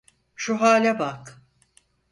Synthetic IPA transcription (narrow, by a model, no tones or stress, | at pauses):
ʃuɦaːlʲɛbak